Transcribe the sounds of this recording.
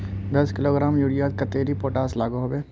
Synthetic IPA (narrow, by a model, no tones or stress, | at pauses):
d̪ɐskɪloːɡɾaːmjuɽijad̪kɐt̪eːɾipoːʈaːslaːɡoɦobe